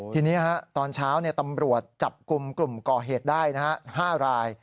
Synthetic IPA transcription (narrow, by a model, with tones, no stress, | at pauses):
t̪ʰiː˧niː˦˥ha˦˥t̪ɔː˧nt͡ɕʰaː˦˥wni˥˩ət̪a˧mɾu˨˩ət̪̚t͡ɕa˨˩p̚ku˧mklu˨˩mkɔː˨˩ɦeː˨˩t̪̚daː˥˩jna˦˥ha˦˥haː˥˩ɾaː˧j